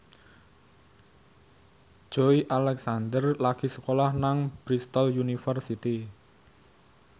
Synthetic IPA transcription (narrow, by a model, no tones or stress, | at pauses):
d͡ʒ̥oiʔalɛksand̪ərlaɡ̥isə̥kolahnaŋb̥ɾist̪ɔljunifərsit̪i